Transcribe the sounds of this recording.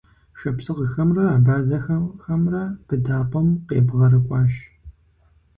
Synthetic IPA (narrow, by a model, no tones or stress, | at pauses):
ʃɐpsɨʁəxɐmrɐaːbaːzɐxɐxɐmrɐpʰɨdaːpʷʼɔmqḛːbʁɐɾɨkʷʼɑːʃ